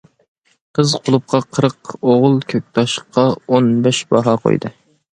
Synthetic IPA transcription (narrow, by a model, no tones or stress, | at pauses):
qʰəzqʰolˠup̚qʰɑqʰəɾəqoʁʊlˠkʲʰøk̚ʲt̪ʰɑʃqːɑonbɛʃbɑɦɑqʰo̰jd̪ɨ̰